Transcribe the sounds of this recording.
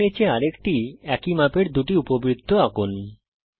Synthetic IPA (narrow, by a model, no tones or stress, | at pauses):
et͡ɕʰeaɾekʈiɛkimapeɾd̪uʈiupobɾid̪ʱːoakun